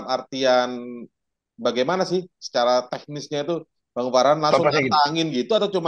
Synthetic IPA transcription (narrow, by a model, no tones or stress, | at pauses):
mart̪ian | baɡajmanasɪhsə̥t͡ʃaɾat̪ɛk̚nɪsɲait̪u | b̥aŋəvaɾɦanlasʊəaŋɪnɡit̪uat̪awt͡ʃuma